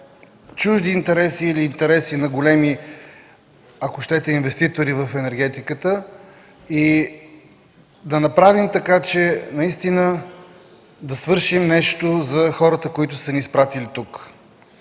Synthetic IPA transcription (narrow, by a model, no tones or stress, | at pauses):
t͡ʃuʒd̪iːnt̪ɛɾɛsiːliːnt̪ɛɾɛsinɐɡolɛmi | ɐkʊʃt̪ɛt̪ɛinvɛst̪it̪oɾivɐfɛnɛɾɡ̟ɛt̪ikət̪ə | i | d̪ɐnɐpɾavimt̪ɐkat͡ʃɛnɐist̪inə | d̪ɐsvɤɾʃimnɛʃt̪ozɐxɔɾət̪əkoit̪ʊsɐnispɾat̪ilit̪uk